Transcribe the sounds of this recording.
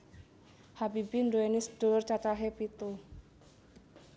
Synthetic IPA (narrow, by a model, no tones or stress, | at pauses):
habibiɳdoenisd̥ort͡ʃat͡ʃaɦepit̪u